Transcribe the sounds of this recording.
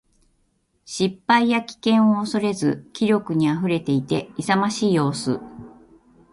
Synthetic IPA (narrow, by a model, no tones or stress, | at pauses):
ɕipːaijakʲi̥kẽ̞ɰ̃o̞ːso̞ɾe̞zɨ̰kʲiɾʲo̞kɯ̟ɲ̟iaɸɯ̟ɾe̞t̪e̞it̪e̞isamaɕiːjo̞ːsɨ̰